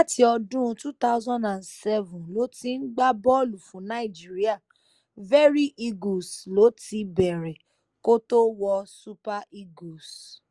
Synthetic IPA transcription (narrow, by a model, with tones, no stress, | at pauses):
la˦ti˦ɔ˧dũ˦˧tu˦ta˦ʊ˦zɔ̃˦ndã˨nsɛ˦vũ˨lo˨˦ti˦n̩˦ɡ͡ba˦bɔ˦o˦˨lu˨fũ˨˦nã˨˦i˨d͡ʒi˦ɾi˦a˦˨ | vɛ˦ɾi˦ʔi˧ɡo˨slo˨˦ti˧bɛ˨ɾɛ˨ | ko˦to˦wɔ˧su˦pa˦ʔi˦ɡo˨s